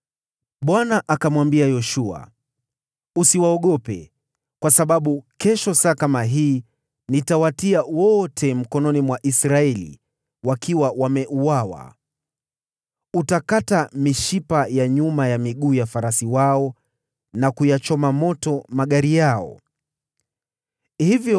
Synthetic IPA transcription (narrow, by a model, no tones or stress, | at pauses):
ɓwanaʔakamwambiajɔʃua̰ | usiwaɔɠɔpɛ | kwasaɓaɓukɛʃɔsakamaɦiː | nitawatiawɔtʰɛm̩kɔnɔnimwaʔisɾaɛlḭ | wakʰiwawamɛʔuwawa̰ | utakatamiʃipajaɲumajamiɠuːjafaɾasiwaɔ | nakujat͡ʃɔmamɔtɔmaɠaɾijaɔ̰ | hivjɔ